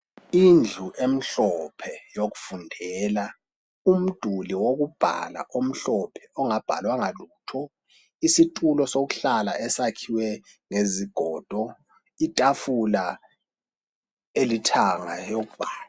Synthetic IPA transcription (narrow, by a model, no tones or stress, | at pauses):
ind͡ɮʱuʔem̩ɬɔpʰɛjoɣufundʱɛla | um̩d̥ʱuliwoɣub̥ʱa̰la̰ʔom̩ɬɔpʰɛ̥ɔŋab̥ʱa̰lwaŋaluːtʰɔ | isitʼulɔsoɣuɬala̰ʔɛsakʰiwɛ | ŋeziɡ̥ʱɔːd̥ʱɔ | itʼafula | elitʰaŋajoɣub̥ʱaːl